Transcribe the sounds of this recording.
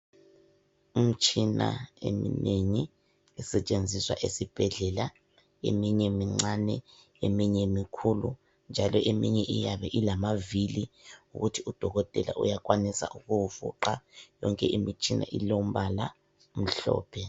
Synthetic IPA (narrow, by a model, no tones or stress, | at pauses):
um̩t͡ʃʼina̰ḛmḭneŋiː | sɛt͡ʃʼend͡zʱiswa̰ʔesib̥ʱɛɮɛla | ḛmiɲɛmiŋ͡ǀanɛ | emiɲɛmikʰulṵ | nd͡ʒʱalɔʔemiɲɛʔijaβɛʔilamaviliuɣutʰiud̥ʱɔɣɔtʼɛla̰ʔṵjak̬ʼwanisa̰ʔuɣuufṵǃajɔŋkʼɛʔimit͡ʃʼʰinʔa̰ʔilom̩βala | m̩ɬɔ̰ːpʰɛ